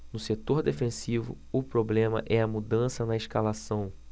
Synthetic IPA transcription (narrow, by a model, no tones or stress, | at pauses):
nʊset̪oɾd̪efẽsivʊ̰ | ʊpɾoblẽmɐ̰ʔɛɐmud̪ɐ̃sɐnɐɪʃkalasɐ̃w̃